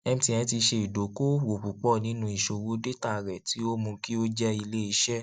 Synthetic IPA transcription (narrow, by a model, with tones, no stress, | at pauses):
ɛ˧m̩̃˧tĩ˧˨ɛ̃˨˦ti˧ʃe˧i˨do˨˦ko˦wo˨ɸu˨k͡pɔ˦˨nĩ˨˦nũ˦i˨ʃo˨wo˨˦de˦ta˦˨ɾɛ˨ti˨˦o˦mũ˧ki˦o˦d͡ʒɛ˦i˧le˦i˧ʃɛ˦